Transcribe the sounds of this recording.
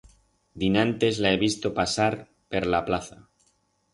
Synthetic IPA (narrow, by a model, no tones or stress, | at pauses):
d̪inãnt̪e̞zlae̞βist̪opasaɾ | peɾlaplaθa